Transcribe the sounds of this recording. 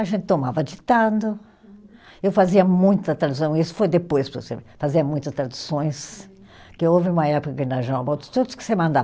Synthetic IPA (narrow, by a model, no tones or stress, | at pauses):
ɐʒẽnt̪ɪ̥t̪omavɐd͡ʒit̪ãd̪ʊ | ewfaziɐmũj̃t̪ʊɐt̪ɾad̪usɐ̃w̃isʊ̥fojd̪epojspɾɐsḛfaziɐmũj̃t̪ɐst̪ɾad̪usõj̃s | kɪowvɪũmɐɛpʊkɐkĩnɐʒɐ̃bɐt̪ɪ̥t̪od̪ʊskɪ̥semɐ̃nd̪a